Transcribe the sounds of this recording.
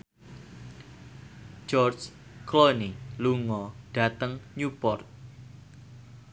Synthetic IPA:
d͡ʒɔrt͡ʃklɔniluŋɔɖ̥a̤t̪əŋɲupɔrt̪̚

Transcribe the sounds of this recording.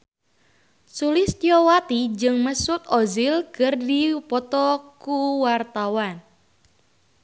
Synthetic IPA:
sulɪst̪jɔwat̪id͡ʒɨŋməsʊt̪̚ɔzɪlkɨrdipɔt̪ɔkuwart̪awan

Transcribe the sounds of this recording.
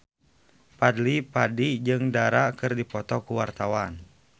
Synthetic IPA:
padlipadid͡ʒɨŋdaɾakɨrdipɔt̪ɔkuwart̪awan

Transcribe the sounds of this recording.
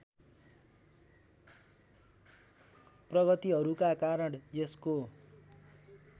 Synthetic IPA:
prʌɣʌt̪iɦʌɾukakaɾʌɽjesko

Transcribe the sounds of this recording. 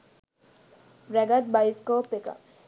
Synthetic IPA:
ɾɛɡat̪̚bajskɔpeka̰

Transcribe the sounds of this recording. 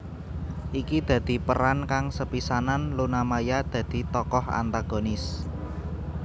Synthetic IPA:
ʔikid̪̥ä̤d̪̥i̤pəɾankaŋsəpisananlunamajad̪̥ä̤d̪̥i̤t̪ɔkɔha̰nt̪aɡ̥o̤nɪs

